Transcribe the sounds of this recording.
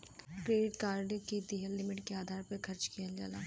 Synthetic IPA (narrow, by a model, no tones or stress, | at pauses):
kɾeːɖɪʈkaːɾɖkid̪eːɦəlːɪmɪʈkeaːd̪ʱaːɾpɐkʰɐɾt͡ʃkijəld͡ʒa̰ːlaː